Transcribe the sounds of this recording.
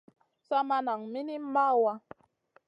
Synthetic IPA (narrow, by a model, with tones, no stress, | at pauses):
sa˦ma˦na˨ŋmi˦ni˦ma˦wa˦